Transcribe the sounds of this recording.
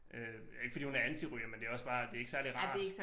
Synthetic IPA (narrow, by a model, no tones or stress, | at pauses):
ʔø | jæeɡ̥əfɒd̥ḭːhunæɐænt͡sʰiʁyɐmend̥e̝æɒ̽sb̥ɑ̈ːd̥e̝æɐeɡ̥əsæɐliʁɑ̥̈ːeɡ̥s